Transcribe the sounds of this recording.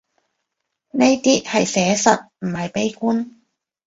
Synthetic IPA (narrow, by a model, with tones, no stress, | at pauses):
ne˥jt̪iː˥hɐ˨jsɛː˨˥sɐ˨t̚m̩˨˩hɐ˨jpe˥jkuː˥n